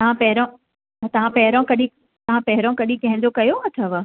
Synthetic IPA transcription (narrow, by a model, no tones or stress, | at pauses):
t̪ɐʋãpɐɦɪɾõ | t̪ɐʋ̤ãpɐɦɪɾõkɐɗĩ | t̪ɐʋ̤ãpɐɦɪɾõkɐɗĩkɐ̃ɦɪ̃ɲ̆d͡ʑokɐjoɦɐt̪ʰɐʋə